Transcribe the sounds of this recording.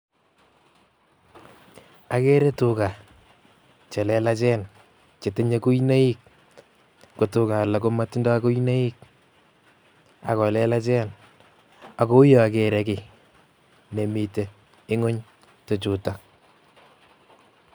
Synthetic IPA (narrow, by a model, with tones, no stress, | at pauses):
a˨ke˦ɾe˦tuka˨ | t͡ʃɛ˨lɛ˦la˦t͡ʃɛ˦n | t͡ʃe˨te˦ɲa˦ku˦i˦na˦i˦k̚ | ko˨tʊ˨ka˨la˨ko˦ma˦tɪ˦ndɔ˦a˦ko˦ina˦i˦k̚ | a̰˨kɔ˨lɛ˦la˦t͡ʃɛ˦n | a˨ko˦jɔ˨a˨ke˨ɾɛ˦kɪ˨ | ne˨mi˨te˨ | ɪ˦ŋo˦ɲ | to˨t͡ʃu˨ta˨